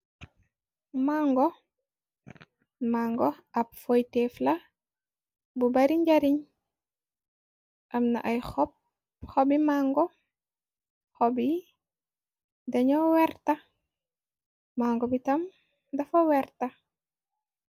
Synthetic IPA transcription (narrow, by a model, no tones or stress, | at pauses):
maŋɡɔ | maŋɡɔɐpfojtɛflɐ | bubaɾiɲɟaɾiɲ | ʔɐmna̰ʔajxɔp̚ | xɔbimaŋɡɔ | xɔbi | dɐɲɔwɛɾtɐ | maŋɡɔbitɐm | dɐfowɛɾtɐ